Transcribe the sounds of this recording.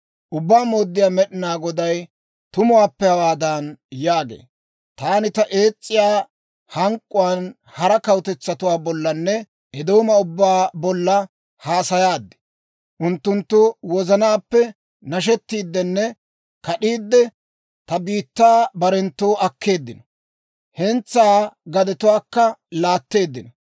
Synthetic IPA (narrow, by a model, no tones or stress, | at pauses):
ʔʊbːaːmo̞ːd̪ːɪjaːmɛɗɪnaːɡɔd̪ɐj | t̪ʊmʊwaːpːɛhɐwaːd̪ɐnjaːɡḛː | t̪aːnɪt̪ɐʔe̞ːt͡sʼːɪjaː | hɐŋkʼːʊwaːn | hɐɾɐkɐwʊt̪ɛt͡sːɐt̪ʊwaːbɔlːɐnːɛ | ɛd̪o̞ːmɐʊbːaːbɔlːɐ | haːsɐjaːd̪ːɛ̥ | ʔʊnt̪ːʊnt̪ːʊwɔzɐnaːpːɛ | nɐʃ̬ɛt̪ːiːd̪ːɛnːɛ | kɐɗiːd̪ːɛ | t̪ɐbiːt̪ːaːbɐɾɛnt̪ːoːʔɐkːe̞ːd̪ːɪnɔ̥ | hɛnt͡sːaːɡɐd̪ɛt̪ʊwaːkːɐlaːt̪ːe̞ːd̪ːɪnɔ